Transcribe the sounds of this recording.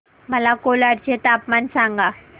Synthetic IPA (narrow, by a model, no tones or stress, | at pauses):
mɐlaːkoːlaːɽt͡ʃeːt̪aːpmansaːŋɡa